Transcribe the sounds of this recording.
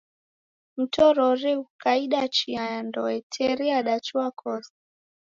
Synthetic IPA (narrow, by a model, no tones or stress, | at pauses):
m̩tɔɾɔɾiukaiɗat͡ʃiajandɔɛtʰɛɾiaɗat͡ʃuakʰɔsḁ